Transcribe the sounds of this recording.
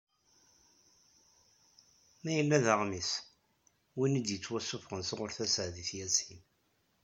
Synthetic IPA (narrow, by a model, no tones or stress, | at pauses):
mæjəlːæðəʁmis | winəd̪jət͡sːwæsːʊfʁənsʁʊɾθæsəʕðiθjæsin